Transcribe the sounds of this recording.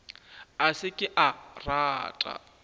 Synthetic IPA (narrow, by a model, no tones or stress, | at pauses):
asɪkʼɪʔaraːtʼa̰